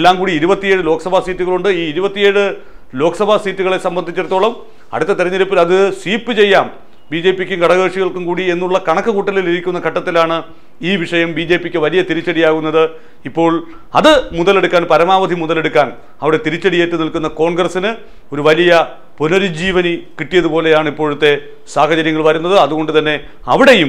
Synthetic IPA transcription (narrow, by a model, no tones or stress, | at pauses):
lːaːŋkuːɽiːɾubɐt̪ːije̞ːɽɨlo̞ːkɐsɐbʱaːsiːtːuɣɐɭuɳɖɨiːɾubɐt̪ːije̞ːɻɨ | lo̞ːkɐsɐbʱaːsiːtːuɣɐɭesɐmbɐnd̪ʱit͡ɕːirt̪ːoːɭɐm | ɐ̰ɽut̪ːɐt̪iɾɐɲːɐɾipːilɐðɨsiːpːɨt͡ɕe̞jːaːm | biːd͡ʑe̞ːpːikʲːukɐɽɐɣeːʂiɣɐɭkumkuːɽie̞nːuɭːɐkɐɳɐkːɨkuːʈːɐliliɾikʲːunːɐkʰɐʈːɐt̪ːilaːɳɨ | iːʋiʂɐjɐmbiːd͡ʑe̞ːpːikʲːɨʋɐlijɐt̪iɾit͡ɕːɐɽijaːɣunːɐðɨ | ipːo̞ːɭ | ɐ̰ðɨmuðɐleɽukːaːnpɐɾɐmaːʋɐd̪ʱimuðɐle̞ɽukːaːn | ɐʋiɽe̞t̪iɾit͡ɕːɐɽijeːʈːɨnilkunːɐko̞ːɳɡrɐsinɨ | o̞ɾuʋɐlijɐ | punoɾid͡ʑiːʋɐnikiʈːijɐðupo̞ːle̞jaːɳɨipːoːɻut̪ːe̞ | saːɦɐt͡ɕɐɾjɐŋːɐɭʋɐɾunːɐðɨɐðuɣo̞ɳɖɨt̪ɐnːe̞ | ɐʋiɽe̞jum